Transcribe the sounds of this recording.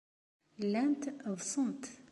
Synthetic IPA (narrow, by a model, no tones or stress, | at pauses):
lːænt̪ðsˤənt̪